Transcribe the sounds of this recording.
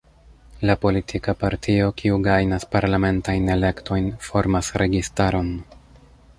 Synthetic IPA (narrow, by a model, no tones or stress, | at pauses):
lapo̞litʰikapaɾtʰio̞kʰiuɡajnaspaɾlame̞ntajne̞le̞kto̞jnfo̞ɾmasɾe̞ɡistaɾo̞n